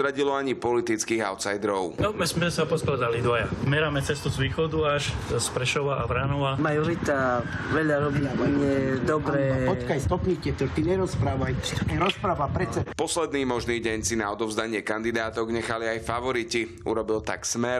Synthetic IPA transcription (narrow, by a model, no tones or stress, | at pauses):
ɾaɟilɔaɲipɔlit̪it͡skiːɣa̰ʊt̪sajd̪ɾɔʊnɔmɛsmɛsapɔst̪ɾad̪alid̪ʋajamɛɾaːmɛt͡sɛst̪uzʋiːxɔd̪uaʃspɾɛʃɔʋaʔabɾanɔʋamajɔʋit̪aʋɛʎaɾɔʋinaaɲɪɛd̪ɔbɾɛpɔkajst̪ɔpɲicɛt̪ɔt̪iɲɛɾɔspɾaːʋajt͡ʃt̪kɛɾɔspɾaʋapɾɛt͡sɛpɔslɛd̪niːmɔʒniːɟɛɲsinaɔd̪ɔvzd̪aɲɪɛkand̪id̪aːt̪ɔɡɲɛxaliajfaʋɔɾici | ṵɾɔbilt̪a̰ksmɛɾ